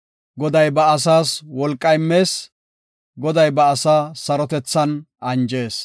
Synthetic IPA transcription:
ɡɔd̪ɐjbɐɐs̬aːswɔlkʼːɐjmːe̞ːs | ɡɔd̪ɐjbɐːsaːsɐɾɔt̪ɛt͡sːɐn | ɐnd͡ʒe̞ːs

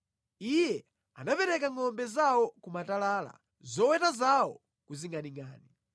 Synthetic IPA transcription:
ijɛ | a̰napɛɾɛkaŋɔmbɛzawɔkumatalaːla̰ | zɔwɛtazawɔ̰ | kuziŋɡaniŋɡaːni

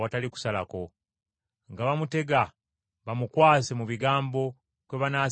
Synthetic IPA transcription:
ataliku̥sala̰ko̞ | ŋɡaβamute̞ɡa | βamukwaːse̞muβiɡaːmbo̞ | kweβana

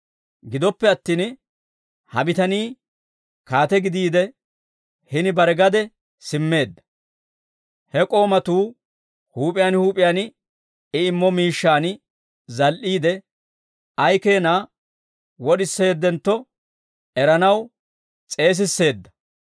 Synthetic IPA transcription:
ɡɪd̪ɔpːɛɐt̪ːiːn | hɐbɪt̪ɐniː | kaːt̪ɛɡɪd̪iːd̪ɛ | hɪnɪbɐɾɛɡɐd̪ɛ | sɪmːe̞ːd̪ːɐ̥ | hɛkʼo̞ːmɐt̪uː | huːpʼɪjaːnhuːpʼɪjaːn | ɪɪmːɔmiːʃːaːn | zɐlʔiːd̪ɛ | ɐjke̞ːnaː | wɔɗɪsːe̞ːd̪ːɛnt̪ːɔ | ɛɾɐnɐw | t͡sʼe̞ːs̬ɪsːe̞ːd̪ːɐ̥

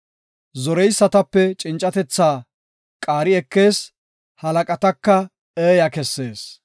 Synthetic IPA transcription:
zɔɾɛjsːɐt̪ɐpːɛt͡ʃʼɪnt͡ʃʼːɐt̪ɛt͡sːaː | kʼaːɾɪɛkːe̞ːs | hɐlɐkʼɐt̪ɐkːɐ | eːjɐkɛsːe̞ːs

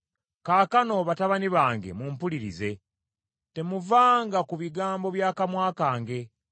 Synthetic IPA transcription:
kaːkano̞βataβaniβaːŋɡe̞̰muːmpuliɾḭze̞ | te̞muvaːŋɡakuβiɡaːmbo̞βjaːkamwaːkaːŋɡe̞

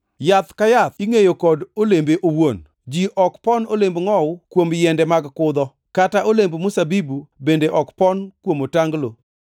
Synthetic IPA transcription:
jat̪kajat̪iŋejokɔdolembeʔowon | d͡ʒiʔɔkpɔnolembŋɔwʊkwomjɛndɛmaɡkʊd̪ɔ | kataʔolembmusabibubendeʔɔkpɔnkwomotaŋɡlo

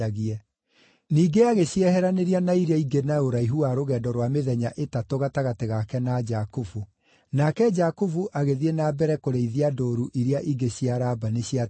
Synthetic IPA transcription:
aɣiɛ | niːɡeaɣeɕiɛhɛɾaneɾianaiɾjaiɡenaoɾaiɦuaɾoɣɛdɔɾwameðɛɲaʔetatoɣataɣateɣakɛnad͡ʒakufu | nakɛd͡ʒakufuʔaɣeðienaːbɛɾɛkoɾeiðiadoːɾuʔiɾeaʔiɡeɕiaɾabaneɕia

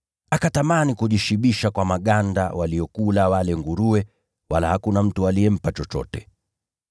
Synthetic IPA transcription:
akatamanikuʄiʃiɓiʃakwamaɠanda̰waliɔkulawalɛŋɡuɾuwɛ | walahakunam̩tualiɛm̩pat͡ʃɔt͡ʃɔ̰tɛ

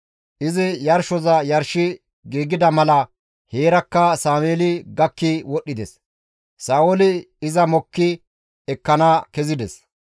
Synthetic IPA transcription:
ʔɪzɪjɐɾʃɔzɐjɐɾʃɪ | ɡiːɡɪd̪ɐmɐlɐ | heːɾɐkːɐsaːmeːlɪɡɐkːɪwɔɗːɪd̪ɛs | saːwɔlɪ | ɪzɐmɔkːɪ | ɛkːɐnaːkɛzɪd̪ɛs

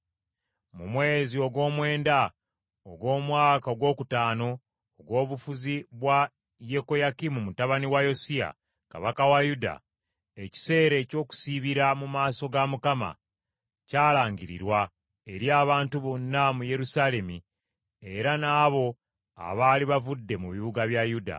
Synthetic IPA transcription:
mumwe̞ːzio̞ɡo̞ːmwe̞ːnda | oɡwo̞ːmwaːkaoɡwo̞ːkutaːno̞ː | ɡwo̞ːβufuziβwa | je̞ko̞jakimumutaβaniwajo̞sia̰ | ka̰βakawajuda̰ | e̞ci̥se̞ːɾe̞ːco̞ːku̥siβiɾamumaːso̞ɡamukama̰ | caːlaːɲɟiɾḭɾwa | e̞ɾjaːβaːntuβo̞nːamuje̞ɾusaːle̞mi | e̞ɾanaːβo̞ | a̰βaːliβavudːe̞muβiβuɡaβjajuda̰

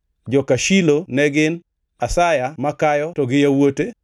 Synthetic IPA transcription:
d͡ʒɔkaʃilonɛɡɪn | asajamakajɔtɔɡɪjawote

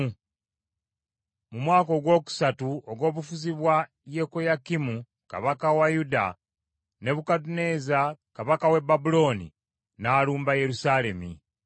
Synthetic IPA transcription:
mumwaːko̞ɡwo̞ːku̥satuoɡo̞ːβufuziβwa | je̞kojakimu | ka̰βakawajuda̰ | ne̞βukadune̞ːzakaβakawe̞babulo̞ːnḭ | naːluːmbaje̞ɾusaːle̞mḭ

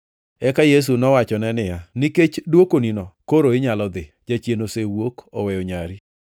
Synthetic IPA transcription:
ɛkajes̬unɔwat͡ʃɔnɛnɪjanɪket͡ʃdwokoninɔkoɾoɪɲalɔd̪ɪ | d͡ʒat͡ʃjenosewokɔwɛjɔɲaɾi

